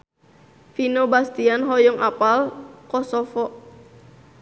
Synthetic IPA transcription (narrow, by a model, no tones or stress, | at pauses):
finɔbast̪ianɦɔjɔŋʔapalkɔsɔfɔʔ